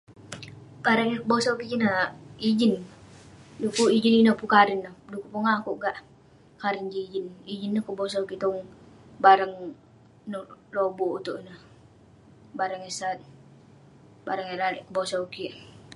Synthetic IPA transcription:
kaɾaŋjakəbosaukikinəid͡ʒin | dukuid͡ʒininəpukaɾɪnːəhdukupuŋakuʔɡaʔ | kaɾɪnd͡ʒiid͡ʒinid͡ʒinːəhkubos̬aukit̪ɔŋ | baɾaŋ | nəhlobɔut̪uʔnəh | baɾaŋasat̪̚ | baɾaŋjalalɛʔkəbosauki

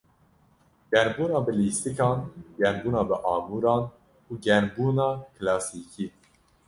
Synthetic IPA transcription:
ɡ̥ɛɾbuːnɑːbɨliːst̪ɨkɑːnɡɛnbuːnɑːbɨʔɑːmuːɾɑːn | uːɡɛnbuːnɑːkʰlɑːsiːkʰiː

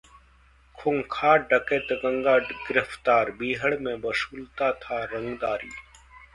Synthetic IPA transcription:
kʰʊŋkʰaːɖəkeːt̪əɡə̃ŋɡaːɡɪɾəft̪aːɾbiːɦəɽmẽbɐsuːlt̪at̪ʰaɾɐ̃ŋɡd̪aːɾiː

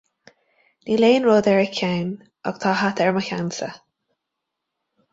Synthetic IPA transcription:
niːleːnɹoːd̪ɛɹəkʰawn | ɔ̰ɡ̥t̪ʰɑːɦat̪ɛɹməçansə̰

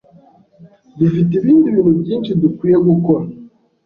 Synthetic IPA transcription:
dufit̬iβiːndiβiːn̤ubjiːnʃidukwiːjeɡukoɾa

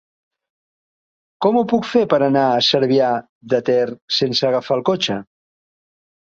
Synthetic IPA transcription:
kɔmupukfepəɾənaəsəɾβia | ðət̪ɛrsensəːɣafalˠkot͡ʃə

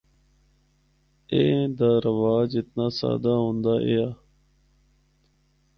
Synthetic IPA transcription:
eːd̪aːɾəʋaːd͡ʒɪt̪naːsa̰ːd̪aːɦõːnd̪aːʔeːaː

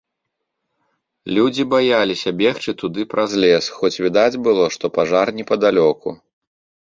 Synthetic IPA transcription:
lʲud͡zʲibajalʲisʲɐbʲɛxt͡ʂɨt̪ud̪ɨpɾʔazlʲɛsxɔt͡sʲvʲid̪ad͡zʲbɨlˠɔʂt̪ɔpaʐarnʲɛpɐd̪alʲɔkṵ

